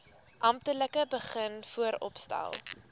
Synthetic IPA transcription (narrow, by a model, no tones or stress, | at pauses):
ʔɐm̚tələkəbəχənfuəɾɔ̰pstæ̰lˠ